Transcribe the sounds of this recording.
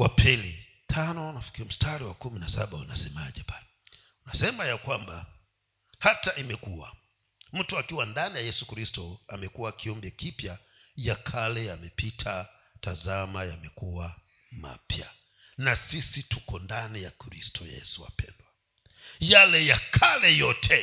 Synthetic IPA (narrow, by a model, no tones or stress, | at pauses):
wapʰili | tʰanɔnafi̥kiɔm̩stʰaɾiwakuminasa̰ɓaunasɛmaʄɛpalɛ | unasɛmajakwamba | hataʔimɛkuwa̰ | m̩tuakiwandanijajɛsukɾistɔamɛkuwakiɔmbɛkipjajakʰalɛamɛpitʰa | tazamajamɛkuwa | ma̰pja̰ | nasisitukɔndanijakɾistʰɔjɛ̰suwa̰pɛ̰ndwa | jalɛjakʰalɛjɔtʰɛ